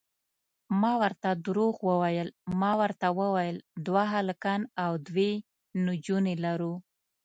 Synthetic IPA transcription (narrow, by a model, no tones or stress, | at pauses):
mɑwəɾt̪ad̪ɾoɣwəwajəlmɑwəɾt̪awəwajəld̪waɦaləkanawd̪we | nʊd͡ʒunelaɾu